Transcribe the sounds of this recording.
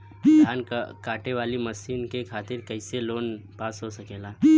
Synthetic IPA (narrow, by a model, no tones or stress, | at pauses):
d̪ʱjaːnkaːʈeʋaːlimɐsiːnkekʰaːt̪ɪɾkɐɪseloːnpaːsɦosɐkeːlaː